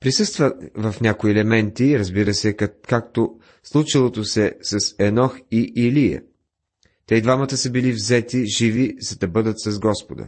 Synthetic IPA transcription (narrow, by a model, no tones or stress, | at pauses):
pɾisɤst̪vəvɐfnʲakoiɛlɛmɛnt̪iɾɐzbiɾəsɛkak̚t̪o | slˠut͡ʃilˠot̪osɛsɐsɛnɔxiʔilijə̰ | t̪ɛid̪vamət̪əsəbilivzɛt̪iʒivizɐd̪ɐbɤd̪ət̪sɐzɡɔspod̪ə̰